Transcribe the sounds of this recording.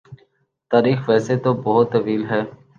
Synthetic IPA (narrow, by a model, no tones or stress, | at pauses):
t̪aːɾiːxʋɛːseːt̪oːbɔɦʊt̪ːəʋiːlɦɛː